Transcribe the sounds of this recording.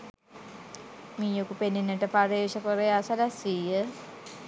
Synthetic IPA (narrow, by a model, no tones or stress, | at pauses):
miːjokupenːenːəʈəpaɾeːʃakoɾejasalasijə